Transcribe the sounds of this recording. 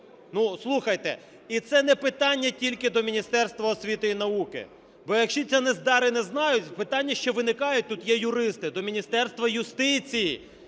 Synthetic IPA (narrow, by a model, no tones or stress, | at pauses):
nuslˠuxɐjt̪ɛ̰ | it̪sɛnɛpɪt̪ɑnʲːɐtʲilʲkɪd̪ɔmʲinʲist̪ɛrst̪ʋɐɔsʲʋʲit̪ɪinɐukɪ̰ | bɔjɐkʃt͡ʃɔt͡sʲanɛzd̪ɑɾɪnɛznɑjʊtʲpɪt̪ɑnʲːɐʃt͡ʃɔʋɪnɪkɑjʊt̚ʲt̪ut̪jɛjʊɾɪst̪ɪd̪ɔmʲinʲist̪ɛrst̪ʋɐjʊst̪ɪt͡sʲiji